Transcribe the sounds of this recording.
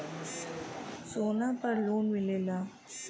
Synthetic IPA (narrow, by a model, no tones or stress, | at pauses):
soːnapəɾloːnmɪlelaː